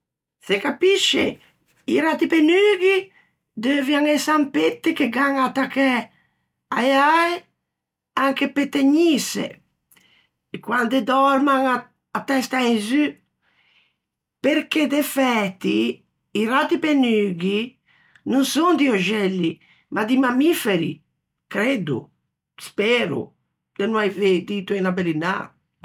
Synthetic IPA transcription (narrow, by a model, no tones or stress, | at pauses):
sekapiʃḛ | iɾat̪ipenyɡi | d̪øvjaŋesampet̪ːekeɡaŋat̪akɛ | ajaaj | aŋkepet̪ːeɲisḛ | kwand̪ed̪ɔɾmaŋ | at̪ɛst̪ainzy | peɾked̪efɛt̪ːiː | rat̪ipenyɡi | nunsond̪ioʒɛlːi | mad̪imamifeɾḭ | kɾed̪ṵ | spɛɾṵ | d̪enuajved̪it̪uinabelina̰